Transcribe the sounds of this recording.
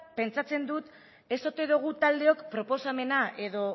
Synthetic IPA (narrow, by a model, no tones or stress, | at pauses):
pe̞nt͡sat͡se̞nd̪ut̪ | e̞so̞t̪eðuɣ̞ut̪ald̪e̞o̞kpɾo̞po̞same̞nae̞ðo̞